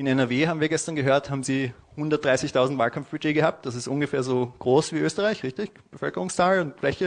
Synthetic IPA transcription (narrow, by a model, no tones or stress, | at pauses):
ʔɪnɛnɛɐveːhaːbm̩viːɐɡɛstɐnɡəɦøːɐthaːbm̩ziː | hʊndɐt̚d̥ʁaɪsɪçtʰaʊzn̩tvaːlkʰamfb̥yd͡ʒeːɡəhaːp̚t̚d̥as̬ɪstʔʊnɡəfeːɐzoːɡ̥ʁoːsv̥iːʔøːstəʁaɪçʁɪçtɪç | b̥əfœlkəʁʊŋst͡saːlʊntflɛçə